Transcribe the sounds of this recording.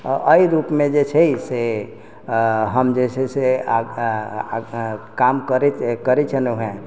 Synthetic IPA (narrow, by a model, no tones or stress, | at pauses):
ʔəiɾupmed͡ʒet͡ʃʰɛise | ɦəmd͡ʒesese | kamkəɾkəɾɛt͡ʃʰɛneɦɛ̃